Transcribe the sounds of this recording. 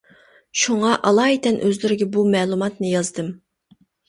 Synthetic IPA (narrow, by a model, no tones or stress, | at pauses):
ʃuŋɑʔɑlˠɑːit̪ʰɛnʔøzlɪɾɪɡʲɛbumɛːlˠumɑt̪nɨjɑzd̪ɨm